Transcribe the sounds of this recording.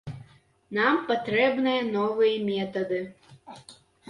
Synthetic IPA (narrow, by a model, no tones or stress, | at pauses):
nampat̪ɾɛbnɨjɐnɔvɨjɐmʲɛt̪ɐd̪ɨ